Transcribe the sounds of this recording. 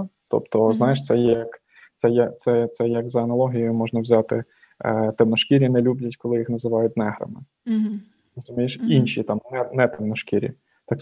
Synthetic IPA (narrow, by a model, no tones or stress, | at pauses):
t̪ɔ̰pt̪ɔznajɪʂ̬t̪sɛjɛjɐk | t̪sɛjɐt̪sɛt̪sɛjɐɡzɐɐnɐlˠɔɦʲijjʊmɔʒnɐwzʲat̪ɪ | t̪ɛmnɔʃkʲiɾʲinɛlʲublʲɐtʲkɔlˠɪjixnɐzɪʋɑjʊt̚ʲnɛɦɾɐ̰mɪ | rɔzʊmʲijɪʃinʲʃʲit̪ɑmnɛnɛt̪ɛmnɔʃkʲiɾʲḭ | t̪ɑk